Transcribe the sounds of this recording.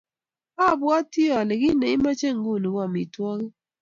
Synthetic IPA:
a˦˨bwɔ˦tːi˦ɔ˨le˨ɡi˦ne˨ɪ˦ma˦t͡ʃe˦˨ŋ˦ɡu˦˨ni˨wɔ˦˨mi˨twɔ˦ɣ

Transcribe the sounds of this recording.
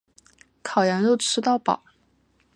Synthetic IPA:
kʰɑ˨˩ʊjɛ˧˥nɻu˥˩ʈ͡ʂʰɻ̩˥t̪ɑ˥˩ʊpɑ̰˨˩˦ʊ

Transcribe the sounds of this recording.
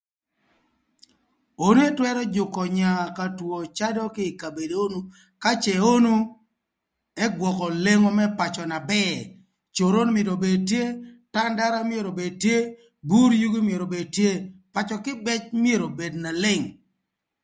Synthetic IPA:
o˦n˦e˦twɛ˦ɾɔ˦d͡ʒʊ˨kɔ˨ɲa˨ka˨two˨t͡ʃa˦dɔ˦kɪ˦˨ka˨be˨de˨o˦nu˦ | ka˦t͡ʃɛ˨o˦nu˦ | ɛ˦ɡwɔ˨kɔ˨le˦ŋɔ˦mɛ˦pa˨t͡ʃɔ˨na˨bɛ˦ | t͡ʃo˨ɾo˦nmɪ˨do˨be˨dtje˦ta˦nda˦ɾa˦mje˨ɾo˨be˨d̚tje˦ | bu˦ɾju˦ɡi˦mje˨ɾo˨be˨dtje˦pa˨t͡ʃɔ˨kɪ˦bɛ˦t͡ʃmje˦ɾo˨be˨dna˨lɪ˦ŋ

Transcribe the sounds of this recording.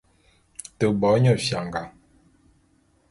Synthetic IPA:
tə˨bɔ˨˦ɲɔ˦˨fja˨ŋɡa˨

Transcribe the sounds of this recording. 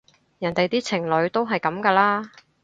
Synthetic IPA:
jɐ˨˩nt̪e˨jt̪iː˥t͡sʰɪ˨˩ŋlɵ˨˧˥ɥt̪o˥wɦɐ˨jkɐ˨˥mkaː˧laː˥

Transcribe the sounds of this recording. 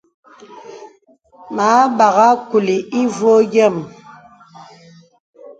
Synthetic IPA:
ma˨˦ɓa˨ɣa˦ku˨li˨i˦vwo˦ɡɛ˦˨m

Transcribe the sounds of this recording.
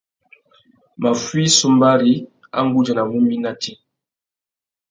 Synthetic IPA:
ma˨fwi˦su˦mba˦ɾi˦ | a̰˦ŋ˦ɡu˦d͡ʒa˨na˨ŋu˦mi˦na˦ti˦

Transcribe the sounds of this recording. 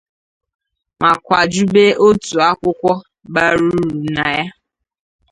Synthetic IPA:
ma˨kʷa˨d͡ʒu˦be˦ʔo˦tu˨a˦kʷʊ˦kʷɔ˦ | ba˦ɾu˦ɾu˨na˨ja˦

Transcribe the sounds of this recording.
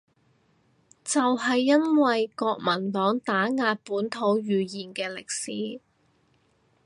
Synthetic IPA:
t͡sɐ˨wɦɐ˨jːɐ˥nwɐ˨jkɔː˧k̚mɐ˨˩nt̪ɔː˨˥ŋt̪aː˨˥ŋaː˧t̚puː˨˥nt̪ʰo˨˥wjyː˨jiː˨˩nkɛː˧lɪ˨k̚siː˨˥

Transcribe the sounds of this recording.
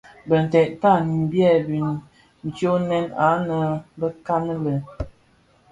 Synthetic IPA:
bə˨n̩˨tɛ˨t̚ta˦˨n˨m̩˨bjɛ˦˨bi˨n | n̩˨t͡ʃjo˦nɛ˦na˨˦nə˨bə˦ka˦nə˦lə˨

